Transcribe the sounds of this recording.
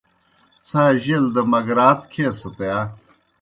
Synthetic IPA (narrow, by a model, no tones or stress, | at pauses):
saːʑeld̪ɐmɐɡɾaːt̪kʰeːsɐt̪eja